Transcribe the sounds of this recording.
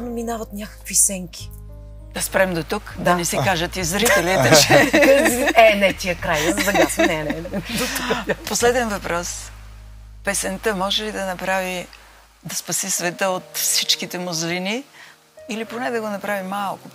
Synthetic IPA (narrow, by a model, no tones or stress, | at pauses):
nominavɐt̪nʲakə̥kvisɛŋkʲi̥ | d̪̥ɐspɾɛmd̪ot̪ukd̪ɐnɛsikaʒət̪izɾit̪ɛlit̪ɛʃɛ | ɛnɛt̪ʲiəkɾajjəzb̪ɐɡasɛnɛnɛd̪otuposlɛd̪ɛnvɐpɾɔs | pɛsɛnt̪əmɔʒɛlid̪ɐnɐpɾavi | d̪ɐspɐsisvɛt̪əot̪fsit͡ʃkit̪ɛmʊzlini | iliponɛd̪ɐɡonɐpɾavimalˠkʊ